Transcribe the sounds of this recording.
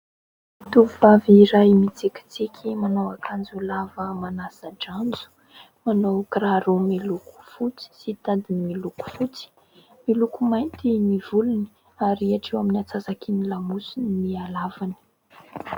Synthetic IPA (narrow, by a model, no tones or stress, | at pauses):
t̪uvuvaviiɾajmit͡sikʲi̥t͡sikʲʰimanawakʰand͡zulavəmanasaɖ͡ʐand͡zu̥ | manawkraɾumiluku̥fut͡si̥sit̪ad̪imiluku̥fut͡si̥ | milukumajnt̪iniv̥uluni̥ | aɾiaʈ͡ʂewaminat͡sazakinilamusunnialavani̥